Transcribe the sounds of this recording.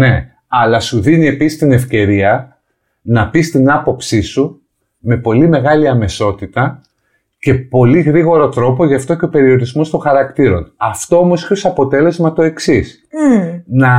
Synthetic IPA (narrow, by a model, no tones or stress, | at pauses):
ne̞ | ɐlɐsuðinie̞pisist̪ine̞fce̞ɾiɐ | nɐpist̪inɐpo̞psisu | me̞po̞lime̞ɣɐliɐme̞so̞t̪it̪ɐ | ce̞po̞liɣɾiɣo̞ɾo̞t̪ɾo̞po̞ʝɐft̪o̞ceo̞pe̞ɾio̞ɾizmo̞st̪o̞ŋxɐɾɐkt̪iɾo̞nɐft̪o̞omo̞sçosɐpo̞t̪e̞le̞zmɐt̪o̞e̞ksis | nɐ